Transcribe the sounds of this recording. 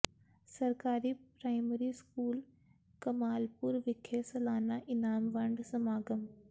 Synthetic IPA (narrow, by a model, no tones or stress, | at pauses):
sɐɾkaːɾipɾaːɪməɾiskuːl | kɐmaːlpʊɾʋɪkʰesɐlaːnaʔɪnaːmʋɐɳɖsɐmaːɡəm